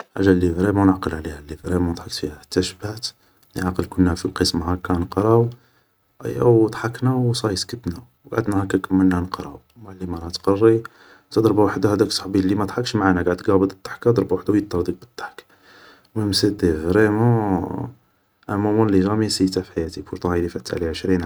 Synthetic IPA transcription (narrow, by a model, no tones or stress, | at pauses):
ħaʒælivɾemunəʕqəlʕlihælːifɾemund̪ˤħɑkt̪fihæħt̪ːæʃbæt̪ | nʕɑqəlkʊnːæfiqəsmhækːænəqɾˤɑw | ʔæ̰jːæ̰wd̪ˤħɑknæwsˤɑjskət̪næwɡaʕəd̪næhækːækəmːəlnːænəqɾɑw | maʕlːimɑɾˤɑt̪qɑrˤːi | t̪əd̪ˤɾˤbawaħd̪ahæd̪æksˤɑħbilːimæd̪ˤħɑkːʃmaʕanæɡaʕd̪ɡɑbəd̪ˤət̪ˤːɑ̥ħkad̪ˤɾˤbawaħd̪awjət̪ˤːɑɾˤd̪ik̚bət̪ˤːɑ̥ħk | məmsid̪ifɾemu | ʔæmumunliʒæmisit̪afħajæt̪ifuɾt̪ˤɑid̪ifæt̪ːaʕliʕəʃɾinʕ